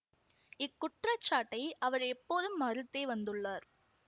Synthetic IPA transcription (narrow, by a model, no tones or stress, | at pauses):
ɪkːʊʈrɐt͡ʃːaːʈːɐɪɐʋɐɾɛpːoːðɯmːɐɾɯt̪ːeːʋɐnd̪ɯɭːaːɾ